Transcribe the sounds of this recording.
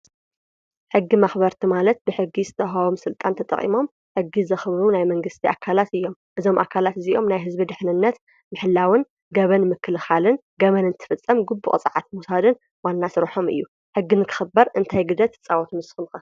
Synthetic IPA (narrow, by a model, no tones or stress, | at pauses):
ħɨɡːimaxbɐɾt̪ʰimalɐt̪̚bɨħɨɡːizɨt̪ʰɐɦawomsɨlt̪ʼant̪ʰɐt̪ʼɐ̰χʼḭmo̞m | ħɨɡːizɐxɨβɾunajmɐŋɡɨst̪ʰiʔakʰːalat̪ɨjːo̞mʔɨzo̞mʔakʰːalat̪ɨziʔo̞mnajɦɨzbid̪ɨħnɨnːɐt̪ | mɨħɨlːawɨn | ɡɐβɐnmɨkʰːɨlɨxalɨn | ɡɐβɐnɨnt̪ʰɨ̥fɨt͡sʼːɐmɡubːṵʔʼt͡sʼɨʕat̪̚musad̪ɨn | wanːasɨɾħo̞mɨ̰jːu | ħɨɡːinɨkʰɨ̥xɨbɐɾʔɨnt̪ʰajɡɨd̪ɐt̪t͡sʼawɔt̪ʰumsɨ̥xɨnxɐ